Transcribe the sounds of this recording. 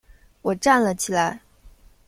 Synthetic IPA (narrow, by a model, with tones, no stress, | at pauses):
wɔ˨˩ʈ͡ʂa˥˩nlə˩t͡ɕʰi˨˩la˧˥ɪ